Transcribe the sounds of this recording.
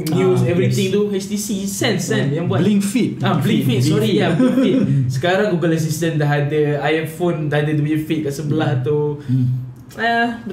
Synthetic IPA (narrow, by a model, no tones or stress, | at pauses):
nusɛvɾit̪ĩŋt̪uɦɛst̪isisɛ̃nsɛ̃njãŋbuatlĩŋfit̪̚ablĩŋfit̪̚sɔɾijablĩŋfit̪̚səkaɾãŋɡuɡəlas̬ist̪ənd̪aɦadəajəfond̪aɦadədəbifit̪̚kaʔsəbəlaht̪o | a